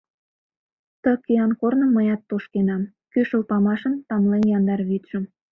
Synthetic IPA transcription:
t̪əkiɑnkornə̆mːəjɑt̪ːoʃkenɑm | kyʃəlpɑmɑʃə̆nt̪ɑmlenjɑnd̪ɑrβyt̪ʒə̆m

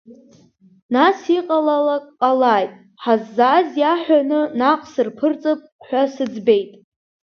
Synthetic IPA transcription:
nasiqʼalalakʼqʼalaːjtʼ | ħazːaːzjaħʷᶣanɨnaqʼsɨrpʰɨrt͡sʼɨpʼħʷasɨd͡zbe̞jtʼ

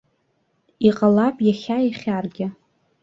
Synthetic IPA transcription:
iqʼalapʼjaχʲaiχʲarɡʲɪ

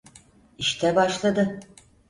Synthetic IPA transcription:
iʃt̪ʰɛbaʃlˠad̪ɯ

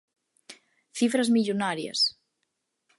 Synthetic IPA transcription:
θifɾəzmiʎunaɾiə̰s

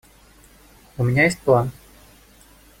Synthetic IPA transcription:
umʲɪnʲajesʲt̚ʲplˠan

